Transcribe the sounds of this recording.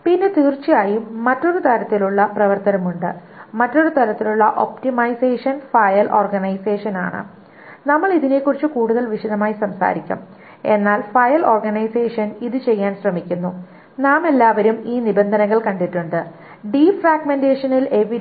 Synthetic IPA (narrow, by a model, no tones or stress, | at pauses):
pinːet̪iːrt͡ɕːijaːjiːɐtːo̞ɾut̪ɐɾɐt̪ːiluɭːɐprɐʋɐrt̪ɐnɐmuɳɖɨ̰ | mɐtːo̞ɾut̪ɐɾɐt̪ːiluɭːɐʔo̞̰ptimɐjse̞ːʂɐnfɐjɐlʔo̞̰ːrɡɐnɐjseːʂɐna̰ːɳɨ̰ | nɐmːɐɭiðine̞kːurit͡ɕːɨkuːɽuðɐlʋiʂɐðɐmaːjisɐmsa̰ːɾikʲːṵm | e̞nːaːlfɐjɐlo̞ːrɡɐnɐjseːʂɐniðɨt͡ɕe̞jːaːnɕrɐmikʲːunːu | naːme̞lːaːʋɐɾumiːnibend̪ʱɐnɐŋːɐɭkɐɳɖiʈːuɳɖɨ | ɖiːfraːɡmende̞ːʂɐnile̞ʋiɾ